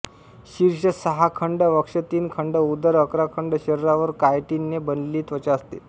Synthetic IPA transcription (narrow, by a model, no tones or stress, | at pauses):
ɕiɾɕəsəɦakʰəɳɖəʋəkʂət̪iːnkʰəɳɖəud̪əɾəkɾakʰəɳɖəɕəɾɾaʋəɾkajʈinːebənliːt̪ʋət͡ɕəst̪ḛ